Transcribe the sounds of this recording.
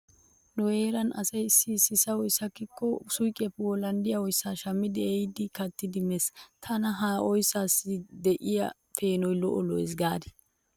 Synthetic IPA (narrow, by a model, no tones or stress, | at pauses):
nʊeːɾɐnʔɐ̰sɐjsisɪsɐwɔjsɐkːɪkːɔsʊjkʼɐpːwɔlɐnd̪ɪjɐwɔjsːaːʃɐmːɪd̪ɪɛjd̪ɪkɐt̪ːɪd̪ɪmɛst̪ʰɐnɐɦaːʔɔjsaːsɪd̪ɛʔɪjɐ̰ | feːnɔjlɔʔɔlɔjɛs̬ɡaːd̪ɪ